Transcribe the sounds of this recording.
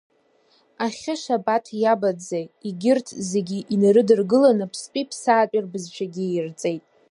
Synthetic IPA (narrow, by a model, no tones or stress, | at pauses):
aχʲɪʃabatʰjabad͡zaiɡʲɪrtʰze̞ɡʲiʔinɨɾɨdɨrɡɨlanɨpʰspʼipʰsaːt͡pʷʼirbɨzt͡ʃʷʰaɡʲirt͡sʼe̞jtʼ